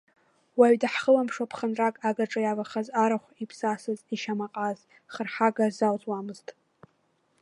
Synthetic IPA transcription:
waɥdaħχəlampʂwapʰχənrakʼaɡaʈ͡ʂʼajavaχazaɾaχʷipʰsasɨziʃamaqʼaz | χərħaɡazawzwamɨztʼ

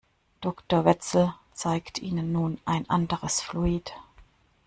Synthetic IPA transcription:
d̥ɔktoːɐvɛt͡sl̩t͡saɪktʰʔiːnənːuːnʔaɪnʔandəʁəsfluiːt

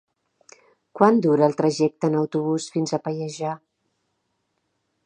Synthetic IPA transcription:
kwand̪uɾəːlˠt̪ɾəʒɛk̚t̪əːnəwt̪uβ̞usfinzəpəjəʒa

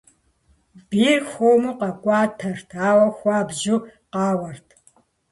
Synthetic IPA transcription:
b̥iːrxʷoːmɨqɐkʷʼɑːtʰɐrtʰaːwɐxʷɑːbʒuqɑːwɐrtʰ

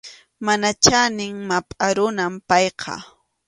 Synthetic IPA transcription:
manat͡ʃanɪŋmapʼaɾʊnampɑjqʰɑ̰

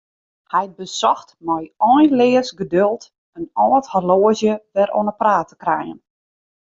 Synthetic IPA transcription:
hɛj̚bəsɔxtmɔjɔnlɪːəsɡədølˠt | ənɔːthaloəzjəʋɛɾʔo̰nəpraːtə̥krɛ̰jə̰n

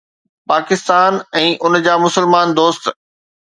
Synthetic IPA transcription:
paːkɪst̪aːnɛ̃ːʔʊnd͡ʑaːmʊsəlmaːnd̪oːst̪

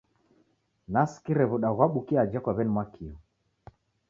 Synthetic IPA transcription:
naskiɾɛβuɗaɣwaɓukiad͡ʒakwaβɛnimwakʰiɔ

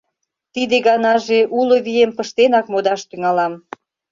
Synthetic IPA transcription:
t̪id̪eɣɑnɑʒeʔuloβiempəʃt̪enɑkmod̪ɑʃt̪yŋɑlɑm

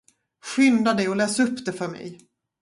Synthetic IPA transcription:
ɧʏnd̪ad̪ɛɔlɛːsaɵpːd̪ɛfœɾmɛ̰j

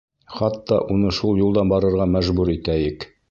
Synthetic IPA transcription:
χɑt̪ːɑʔunɤʃulˠjulˠd̪ɑnbɑɾɤ̆ɾʁɑmæʒbuɾit̪æjɘk

